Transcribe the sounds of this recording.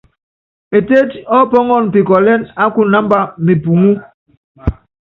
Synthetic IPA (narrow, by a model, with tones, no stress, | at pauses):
e˨te˦tɔ˦pɔ˦ŋɔ˦˨n˨pi˨kɔ˨lɛ˦na˦ku˦na˦mba˦mi˨pu˨ŋu˦